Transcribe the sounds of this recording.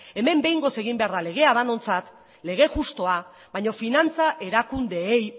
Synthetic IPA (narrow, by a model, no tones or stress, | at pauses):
e̞me̞mbe̞jŋɡo̞se̞ɣimbe̞aɾðale̞ɣe̞aðano̞nt͡sat̪ | le̞ɣ̞e̞xust̪o̞a | βaɲo̞finant͡saʔe̞ɾakund̪e̞ːj